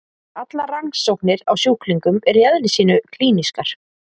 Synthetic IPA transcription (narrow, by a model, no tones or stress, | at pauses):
at̪laraŋsːowhknɪɾawsjuːhkliŋkʏmɛɾjɛðlɪsiːnʏkʰliːniskaɾ̥